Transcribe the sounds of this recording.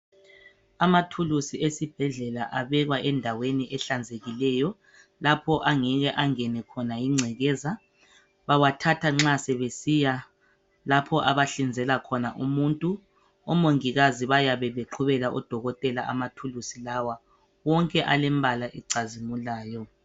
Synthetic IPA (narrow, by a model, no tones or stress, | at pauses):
amatʰulusiesib̥ʱɛɮɛlaʔaβɛɣwaʔɛndʱaweniʔɛɬand͡zʱeɣilɛjɔ | lapʰɔʔaŋɛɣɛʔaŋɛnɛkʰɔnajiŋ͡ǀʱɛɣɛːza | βawatʰatʰaŋ͡ǁasɛβesija | lapʰɔʔaβaɬind͡zʱɛlakʰɔnaʔumuntʼu | ɔmoŋiɣaziβajaβɛβeǃʰuβɛlaʔɔd̥ʱɔɣɔtʼɛlaʔa̰matʰulusilawa | wɔŋkʼɛʔalɛmbʱalaʔɛǀazimulaːjɔ